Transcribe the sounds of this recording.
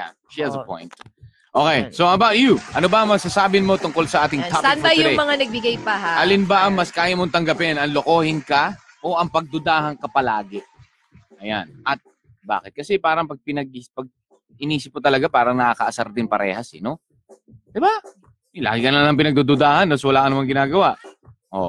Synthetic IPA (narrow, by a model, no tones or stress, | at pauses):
ja̰ | ʃiɐzɐpo̰jnt̪ | ʔo̞ːkɛjsoʔɐbawt̪juʔɐnobɐmɐsasaːbɪnmo̞t̪ʊŋko̞lsɐʔaːt̪ɪŋʰapsnɐjʊŋmɐŋanɐɡ̚bɪɡajpɐɦaʔɐlɪnbɐʔɐŋmɐskaːjɐmoŋt̪ɐŋɡɐpɛnɐŋlokoːhɪnkɐ | ʔoʔɐŋpɐɡ̚d̪ʊd̪aːhɐŋkɐpɐlaːɡɪ | ʔɐja̰nʔɐt̪̚ | ba̰ːkɪt̪̚kɐsɛpaːɾɐŋpɐɡ̚pɪnɐɡ̚ɪpɐɡ̚ | ɪniːsɪp̚mot̪ɐlɐɡapaːɾɐŋnɐʔakɐʔɐsɐɾd̪ɪŋpɐɾɛ̰ːhɐsɛno̞ | d̪ɪba | la̰ːɡɪkɐnɐlɐŋp̬ɪnɐɡ̚d̪ud̪ʊd̪aːhɐnːoswɐlaːkɐnɐmaŋɡɪnaːɡɐwaʔ | ʔo̰